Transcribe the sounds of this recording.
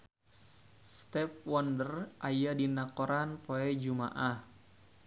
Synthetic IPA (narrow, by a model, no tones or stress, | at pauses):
st̪ɛfwɔndərʔajadinakɔɾanpoɛd͡ʒuma̰ʔah